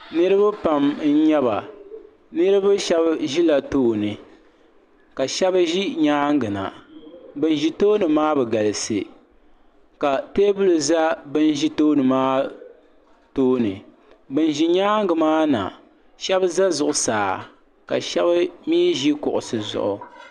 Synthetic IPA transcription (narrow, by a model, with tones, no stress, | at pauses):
nɨ˦ɾɨ˦ba˦pa˨mn̩˦ɲɛ˦ba˨ | nɨ˦ɾɨ˦ba˦ʃɛ˦bʒi˦la˨toː˦nɨ˨ | ka˨ʃɛ˦bʒi˦ɲaː˦ŋ˦ɡɨ˨na̰˨bɨ˨n˦ʒi˦toː˦nɨ˨maː˦bɛ˨ɡa˨lɨ˨sɨ˨ | ka˨teː˦bu˦lɨ˨za˦bɨ˦n˦ʒi˦toː˦nɨ˨maː˦ | toː˦nɨ˨ | bɨ˨n˦ʒi˦ɲaː˦ŋɡɨ˨maː˦na̰˨ | ʃɛ˦bza˦zʊ˨ʔʊ˨saː˨ | ka̰˨ʃɛ˦bɨ˦miː˦ʒi˦kʊ˨ʔʊ̰˨sɨ˨zʊ̰˨ʔʊ̰˨